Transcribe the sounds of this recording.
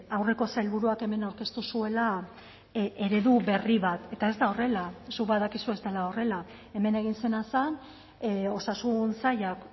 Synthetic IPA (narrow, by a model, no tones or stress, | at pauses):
awre̞ko̞sailβuɾuake̞me̞nawɾke̞st̪usue̞la | e̞ɾe̞ðuβe̞riβat̪e̞t̪ae̞zd̪ao̞re̞lasukbaðakisue̞zd̪elao̞re̞la | e̞me̞ne̞ɣ̞inse̞nasan | o̞sasunsajak